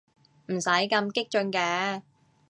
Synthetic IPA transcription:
m̩˨˩sɐ˨˥jkɐ˧mkɪ˥k̚t͡ʃɵ˧ŋkɛː˨˥

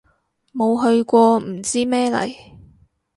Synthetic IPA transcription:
mo˨˧wɦɵ˧ɥkʷɔː˧m̩˨˩t͡siː˥mɛː˥lɐ̰˨˩j

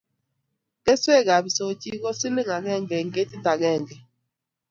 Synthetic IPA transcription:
kɛ˦swe˦˨ɡa˨βi˨so˨˦t͡ʃi˦kɔ˦si˦li˦ŋa˨ɣɛ˦˨ŋɡɛ˨ŋɡe˦ti˦ta˨ɡɛː˦˨ŋɡɛ˨

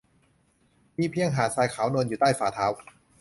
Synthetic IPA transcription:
miː˥˩pʰi˧˥˧əŋɦaː˨˩˦saː˧jkʰaː˩˦wnoː˧njuː˨˩t̪aː˥˩jfaː˩˦t̪ʰaː˦˥w

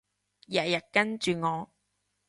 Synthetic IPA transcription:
jaː˨jɐ˨˩t̚kɐ˥nt͡ʃyː˨ŋɔː˨˧

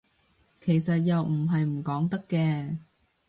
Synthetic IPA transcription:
kʰe˨˩jsɐ˨t̚jɐ˨wm̩˨˩ɦɐ˨jm̩˨˩kɔː˨˥ŋt̪ɐ˥kːɛː˧

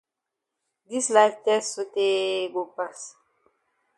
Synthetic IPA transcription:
di˦sla˦ktɛ˦so˦te˦ɡo˨pa˦s

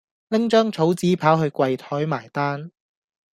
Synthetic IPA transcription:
lɪ˥ŋt͡ʃœː˥ŋt͡sʰo˨˥wt͡siː˨˥pʰaː˨˥wɦɵ˧ɥkwɐ˧jt̪ʰɔː˨˥jmaː˨˩jt̪aː˥n

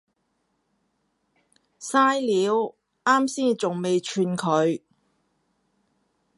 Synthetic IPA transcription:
saː˥jliː˨˥w | aː˥msiː˥nt͡sʊ˨ŋme˨jt͡ʃʰyː˧nkʰɵ˨˧ɥ

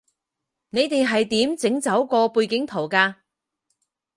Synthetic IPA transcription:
ne˨˧jt̪e˨jɦɐ˨jt̪iː˨˥mt͡sɪ˨˥ŋt͡sɐ˨˥wkɔː˧puː˧jkɪ˨˥ŋt̪ʰo˨˩wkaː˧

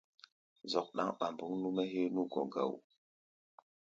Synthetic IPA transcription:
zɔ˨k̚ɗa̰˦ŋɓa˨mbu˦ŋnu˦mɛ˦ɦe˦nu˦ɡɔ̃˨ɡa̰˨w

